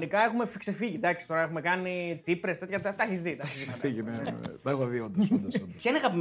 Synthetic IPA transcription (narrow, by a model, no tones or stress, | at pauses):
nikɐe̞xume̞fikse̞fiʝid̪ɐksi̥t̪o̞ɾɐexumekɐnit͡sipɾest̪et̪çɐɐt̪ɐçisðit̪ɐçizfiʝimet̪ɐɣɐviond̪ɐspçɐineɐɣɐpim